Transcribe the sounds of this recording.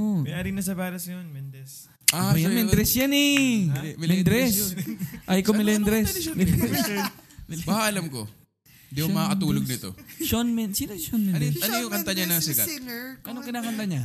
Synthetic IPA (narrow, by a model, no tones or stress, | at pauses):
omɐjʔaːɾɪŋnɐs̬ɐbaːɾɐsjonmɛnd̪ɾɛs | ajanmɛnd̪ɾɛsjanɛ | mɛnd̪ɾɛsʔajkomɪlɛnd̪ɾɛsmɪ | mbhaʔɐlamko̰ | nd̪iomɐkɐt̪uːloɡ̚nɪt̪o̞̰ʃonmɛnsiːnoʃonmɛɐnojʊŋkɐnt̪ɐɲanɐŋsɪkɐʔɐnoŋkɪnaːkɐnt̪aɲa